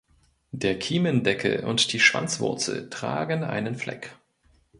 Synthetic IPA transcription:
d̥eːɐkʰiːməndɛkʰəʔʊ̰ntd̥iːʃv̥a̰nt͡sv̥ʊ̰ɐt͡sl̩tʁ̥a̰ːɡənʔa̰ɪnənflɛ̰k

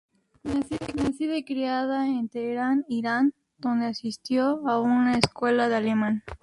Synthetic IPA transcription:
nasinasiðekɾiaðaent̪eːɾaniɾan | d̪̥o̞nd̪easist̪joaunaeskwe̞laðealemãn

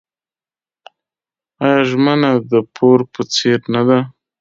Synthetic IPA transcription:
ajɑʒmənad̪əpʰoɾpət͡seɾnad̪a

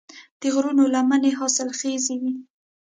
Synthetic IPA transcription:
d̪̥əɣɾunolamaneɦɑsɪlxezewi

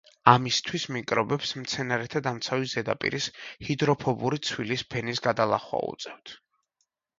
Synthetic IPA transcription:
amist̪ʰwismikʼɾɔbɛpsmt̪sʰɛnaɾɛt̪ʰad̪amt̪sʰaviszɛd̪a̰pʼḭɾishid̪ɾɔpʰɔbuɾit̪sʰwilispʰɛnisɡad̪alˠa̰χwa̰ṵt̪sʼɛft̪ʰ

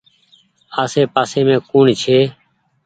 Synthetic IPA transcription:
aːseːpaːseːmẽːkuːɳt͡ʃʰeː

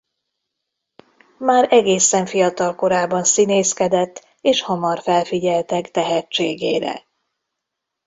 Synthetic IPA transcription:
maːɾɛɡeːsɛɱfijɒt̪ɒlko̞ɾaːbɒnsineːskɛd̪ɛt̪ː | eːʃhɒmɒrfɛlfiɟɛlt̪ɛkt̪ɛɦɛt͡ʃːeːɡeːɾɛ̰

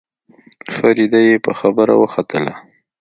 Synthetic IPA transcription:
faɾid̪ajepəxabəɾa̰wəxat̪əla̰

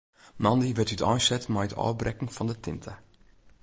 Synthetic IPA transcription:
mɑndiʋɪtytʰɔjsɛtmɛjətʰɔ̰ːbrɛkŋ̩fɔndətʰɪntʰə

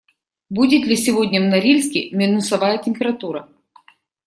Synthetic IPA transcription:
budʲɪt̪lʲɪsʲɪvodʲnʲəvnɐɾʲilʲsʲkʲɪmʲɪnʊsɐvajətʲɪmʲpʲɪɾɐt̪uɾɐ

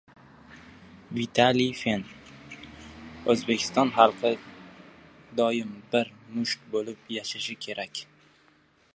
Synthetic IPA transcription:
vit̪ʰalifen | ɵzbekʲʰɪ̥st̪ɒnχɑlˠqʰɨ | d̪ɒjɪmbɪɾmʊʃkbolɪpjaʃaʃɪkʲʰe̞ɾʔakʲ

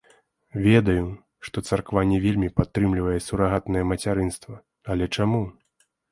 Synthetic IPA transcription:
vʲɛd̪ɐju | ʂt̪ɔt̪sarkvanʲːɛvʲelʲmʲipat̪ːɾɨmlʲivɐjɛsuɾaɣat̪nɐjɛmɐt͡sʲaɾɨnst̪vɐ | ɐlʲɛt͡ʂamu

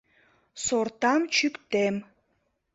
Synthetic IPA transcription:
soɾt̪ɑmt͡ɕykt̪em

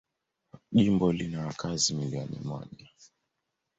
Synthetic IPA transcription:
ʄimbɔlinawakʰazimiliɔnḭmɔ̰ʄa

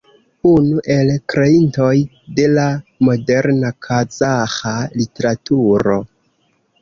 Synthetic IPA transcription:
unuʔe̞lkɾe̞into̞j | de̞lamo̞de̞ɾnakʰazaxalite̞ɾatuɾo̞̰

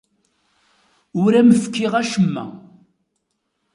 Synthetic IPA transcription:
ʊɾæməfkːiʁæʃəmːæ̰

